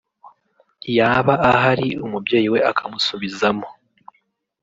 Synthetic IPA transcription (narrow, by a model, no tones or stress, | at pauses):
jaːβaːɦaɾiumubje̞ːjiwe̞akʰamusuβizamo